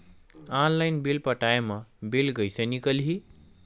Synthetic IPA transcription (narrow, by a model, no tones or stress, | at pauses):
anlajnbilpʌʈajemabelɡʌjsʌnikʌlɦi